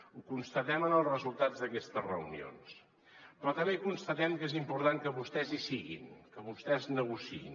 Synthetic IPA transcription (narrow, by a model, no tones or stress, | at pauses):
ukunst̪ət̪ɛmənəlˠsrəzulˠt̪ad͡zd̪əkɛst̪əzrə̰unio̰ns | pɾɔt̪əmekunst̪ət̪ɛmkezimpuɾt̪aŋkəβust̪ɛzisiɣḭnkəβust̪ɛznəɣusiḭn